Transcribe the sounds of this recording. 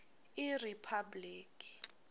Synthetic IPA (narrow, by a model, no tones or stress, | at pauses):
iripʰabliːkʼi̥